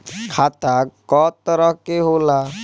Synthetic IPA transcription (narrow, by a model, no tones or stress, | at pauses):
kʰat̪akːɔt̪ɔɾɔɦkeɦola